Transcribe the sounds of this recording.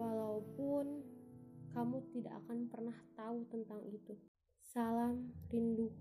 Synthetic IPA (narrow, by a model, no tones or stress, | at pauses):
walaupʊn | kamut̪ida̰ʔa̰kanpərnaht̪aut̪ənt̪aŋit̪u | salamrindu